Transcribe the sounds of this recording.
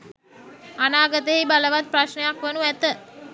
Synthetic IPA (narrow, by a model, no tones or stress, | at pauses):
anaːɡət̪əɦibaləʋat̪̚prasnəjakʋənuæt̪ə